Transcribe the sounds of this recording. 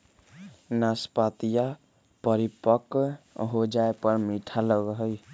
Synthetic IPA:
naspat̪ija | pʌɾipʌkɦod͡ʒaepʌɾmiʈʰalʌɡɦʌj

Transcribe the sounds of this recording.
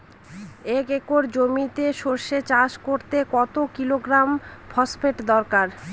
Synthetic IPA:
ekekoɾd͡ʑomit̪eʃoɾʃet͡ɕaʃkoɾt̪ekɔt̪okiloɡɾampʰɔspʰeʈd̪ɔɾkaɾ

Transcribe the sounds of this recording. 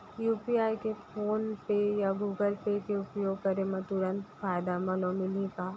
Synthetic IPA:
juːpiaːikepʰoːnpejaɡuːɡəlpekeʊpjoːɡ̚kɐɾemãt̪ʊɾə̃nt̪faːɪd̪amɐ̃nõmɪlĩkaː

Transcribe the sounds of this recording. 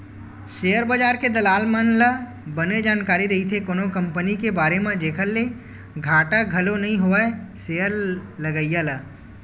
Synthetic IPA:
ʃeːəɾbɐd͡ʒaːɾked̪ɐlaːlmənlə | bəned͡ʒaːnkaːɾiɾɐɦit̪ʰekoːnõkɐ̃mpənikebaːɾemẽd͡ʒ̪eːkʰəɾle | ɡʱaːʈaɡʱɐlonɐɦĩɦoːaeseːəɾlɐɡəjjalɐ

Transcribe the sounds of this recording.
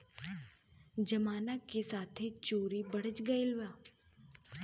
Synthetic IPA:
d͡ʒɐmaːnakesaːt̪ʰet͡ʃoːɾibɐɽ̤ət͡ʃɡɐilʋaː

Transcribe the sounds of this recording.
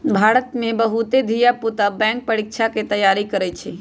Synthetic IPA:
bʱaːɾət̪mẽbəɦut̪ed̪ʱijaput̪abɛ̃ːŋk̚pəɽɪk̚t͡ʃʰaket̪əjaːɾikəɾɛt͡ʃʰe

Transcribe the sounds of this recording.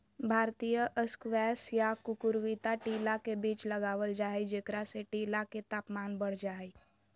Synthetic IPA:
bʱaːɾt̪ijəʔəskwɛːsjakʊkʊɾwit̪aʈiːlakebiːt͡ʃləɡaːʋəld͡ʒaːid͡ʒekɾaseʈiːlaket̪aːpmaːnbəɽ̤d͡ʒaːi

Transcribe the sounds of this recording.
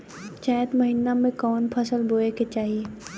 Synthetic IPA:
t͡ʃɛ̃ːt̪məɦɪnːamẽkɔːnpʰɐsəlboːeket͡ʃaːɦie

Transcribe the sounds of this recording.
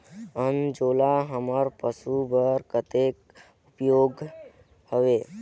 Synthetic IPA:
ənd͡ʒolaɦəməɾpəsubəɾkət̪ek | upjoɡ | həʋe

